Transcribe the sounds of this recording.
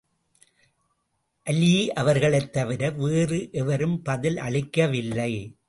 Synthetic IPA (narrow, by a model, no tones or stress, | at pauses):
ʔɐljiʔɐʋɐɾɣɐɭɐɪt̪ːɐʋɪɾɐʋeːrɯʔɛʋɐɾɯmpɐðɪlɐ̰ɭɪkːɐʋɪlːɐɪ